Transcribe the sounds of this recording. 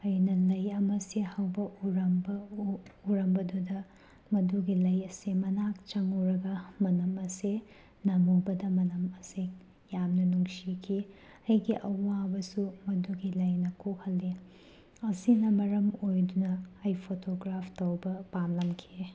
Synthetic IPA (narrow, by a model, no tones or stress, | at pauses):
ɐjnɐlɐjɐmɐsihɐwbɐʔuɾɐmbɐuɾɐmbɐdudɐ | mɐduɡilɐjɐsimɐnak̚t͡ʃɐŋowɾɐɡɐmɐnɐmɐse | nɐmɐwbɐdɐmɐnɐmɐsi | jamnɐnuŋsikʰi | ɐjɡiʔɐwabɐsumɐduɡilɐjnɐkʰohɐlːi | ɐsinɐmɐɾɐmojdunɐːjpʰotoɡɾapʰtɐwbɐpamlɐmkʰi